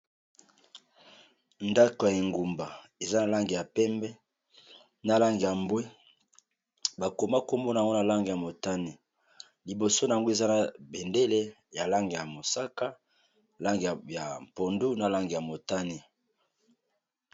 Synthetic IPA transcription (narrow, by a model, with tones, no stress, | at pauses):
nda˦ko˨je˨ŋɡu˨mba˨ | e˨za˦na˨la˦ŋɡi˨ja˨pɛ˦mbɛ˦ | na˦la˦ŋɡi˨ja˨mbwe˦ | ba˨ko˨ma˦ko˦mbo˦na˨ŋɡo˦na˨la˦ŋɡi˨ja˨mo˨ta˦ni˨ | li˨bo˨so˦na˨a˨ŋɡo˦e˨za˦na˨be˨nde˦le˦ | ja˨la˦ŋɡi˨ja˨mo˨sa˦ka˦˨ | la˦ŋɡi˨ja˨po˨ndu˦na˨la˦ŋɡi˨ja˨mo˨ta˦ni˨